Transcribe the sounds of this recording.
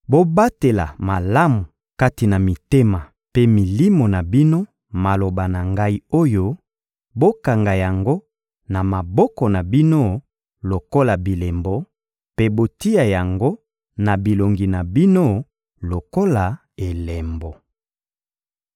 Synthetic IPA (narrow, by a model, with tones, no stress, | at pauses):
bo˦ba˦te˨la̰˨ma˨la˦mu˨ | ka˦ti˨na˨mi˨te˦ma˨ | pe˦mi˨li˦mo˨na˨bi˦no˦ | ma˨lo˨ba˨na˨ŋɡa˦i˦o˦jo˦ | bo˦ka˨ŋɡa˨ja˨ŋɡo˦ | na˨ma˨bɔ˦kɔ˨na˨bi˦no˦ | lo˨ko˦la˨bi˨le˨mbɔ˦ | pe˦bo˦ti˦ja˨ja˨ŋɡo˦ | na˨bi˨lo˨ŋɡi˨na˨bi˦no˦ | lo˨ko˦la˨ | e˨le˨mbɔ˨